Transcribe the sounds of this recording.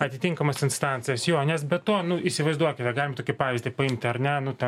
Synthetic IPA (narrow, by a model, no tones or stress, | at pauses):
ɐt̪ʲɪt̪ʲɪŋkɐmɐsɪnst̪ɑnʲt͡s̪ʲɪjɛsjoːnʲɛsbʲɛt̪toːnʊisʲɪʋɐɪzd̪uɔkʲɪt̪ʲɛɡɑlɪmɐt̪oːkʲɪpɑːʋʲɪzʲdʲɪpɐɪmʲt̪ʲɐɾnʲɛnʊt̪ʲɛ